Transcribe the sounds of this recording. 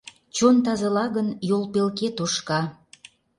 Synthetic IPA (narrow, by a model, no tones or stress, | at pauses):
t͡ɕont̪ɑzɑlɑɣənjolpelket̪oʃkɑ